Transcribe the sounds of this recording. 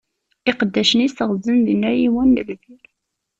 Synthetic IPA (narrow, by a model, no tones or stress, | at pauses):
ɪqəd̪ːæʃənisəʁzənðinːæjiwænːəlviɾ